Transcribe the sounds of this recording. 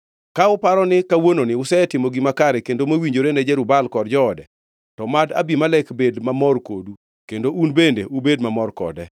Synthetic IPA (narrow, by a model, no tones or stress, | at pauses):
kaʊpaɾɔnɪkawononɪʊsɛtɪmoɡimakaɾɛkendomewiɲd͡ʒoɾenɛd͡ʒɛɾʊbalkɔdd͡ʒɔːdɛ | tɔmada̰bimalɛkbedmamɔrko̰du | kendoʔunbendḛʔubedmamɔrkɔ̰dɛ